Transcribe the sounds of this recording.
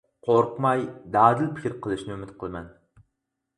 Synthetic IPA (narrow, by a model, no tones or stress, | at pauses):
qʰoɾqmɑjd̪ɑːd̪ɪlpʰɪ̥kʲʰɾqʰɨlˠɪʃnɪʊmɪt̪̚qʰəlˠmɛ̰n